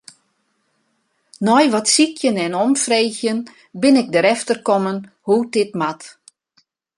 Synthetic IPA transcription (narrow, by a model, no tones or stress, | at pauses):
nɔjʋɔtsikʰjənɛnɔmfrejxjən | bɪnɪk̚dəɾɛftərkɔmən | hudɪtmat